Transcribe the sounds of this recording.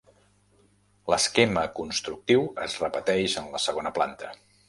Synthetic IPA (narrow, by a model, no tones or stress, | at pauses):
ləskeməkunst̪ɾuk̚t̪iwə̰zrəpət̪ɛʒənləsəɣ̞onəplant̪ʰə